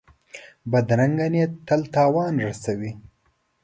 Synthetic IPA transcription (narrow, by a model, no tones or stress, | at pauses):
bad̪ɾaŋɡanet̪alt̪ɑːwɑːnɾasawi